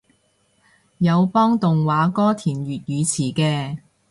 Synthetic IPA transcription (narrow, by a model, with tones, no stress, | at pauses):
jɐ˨˧wpɔː˥ŋt̪ʊ˨ŋwaː˨˧˥kɔː˥t̪ʰiː˨˩nɥyː˨t̚jyː˨˧t͡sʰiː˨˩kɛː˧